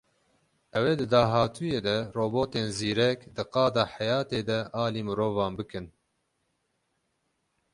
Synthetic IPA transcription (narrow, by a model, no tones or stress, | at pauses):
ʔɛweːd̪ɨd̪ɑːɦɑːt̪ʰujeːd̪ɛroːboːt̪eːnziːɾɛkd̪ɨqɑːd̪ɑːħæjɑːt̪eːd̪ɛʔɑːliːmɨɾoːvɑːnbɨkɨn